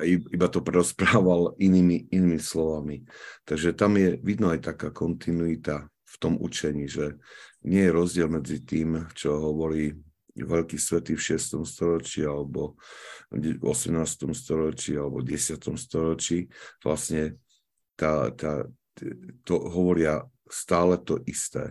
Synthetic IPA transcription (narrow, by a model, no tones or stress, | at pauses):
aiibat̪ɔpɾɛɾɔspɾaːʋaliniːmiiniːmislɔʋamit̪aɡʒɛt̪amjɛʋid̪nɔajt̪akaːkɔnt̪inuit̪a | ft̪ɔmṵt͡ʃɛɲiːʒɛɲɪɛjɛɾɔzɟɪɛlmɛd͡zit̪iːmt͡ʃɔɦɔʋɔɾiː | ʋɛʎkisʋɛt̪ifʃɪɛst̪ɔmst̪ɔɾɔt͡ʃialɛbɔ | ɔ̰sɛmnaːst̪ɔmst̪ɔɾɔt͡ʃialɛbɔɟɛsɪat̪ɔmst̪ɔɾɔt͡ʃiːʋla̰sɲɛ | t̪aːt̪a | t̪ɔɦɔʋɔɾɪa | st̪aːlɛt̪ɔʔist̪ɛ̰ː